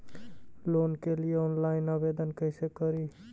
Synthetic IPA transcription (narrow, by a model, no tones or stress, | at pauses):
lonkelijeɔnlaɪnəbed̪ənkəɪsekəɾi